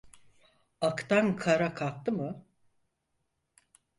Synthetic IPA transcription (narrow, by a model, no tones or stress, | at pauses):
akt̪ʰankʰaɾakʰak̚t̪ɯmɯ